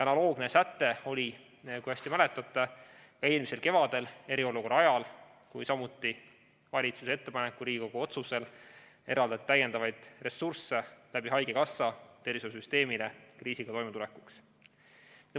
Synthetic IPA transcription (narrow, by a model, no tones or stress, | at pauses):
ɑnɑlo̞ːɡne̞sæt̪ːe̞o̞lʲi | kujæsʲt̪imæle̞t̪ːˑɑt̪ːˑekɑeːlmise̞lke̞vɑd̪̥e̞le̞ɾio̞luko̞rɑɑjɑl | kujsɑmut̪ːˑi | vɑlʲit̪susee̞t̪ːe̞pɑnekːˑuɾiːɡiko̞ɡ̥uo̞t̪suse̞l | e̞ɾɑld̪ɑt̪t̪æje̞nd̪̥ɑvɑjd̪̥re̞surse̞læbiɦɑjɡ̥e̞kɑsːɑt̪e̞ɾisosyst̪e̞ːmilekriːsiɡ̥ɑt̪o̞jmet̪ule̞kːˑuks | t̪